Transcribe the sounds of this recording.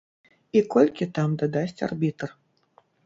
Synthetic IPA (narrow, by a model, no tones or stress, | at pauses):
ikɔlʲkʲit̪amd̪ad̪asʲt͡sʲa̰rbʲit̪r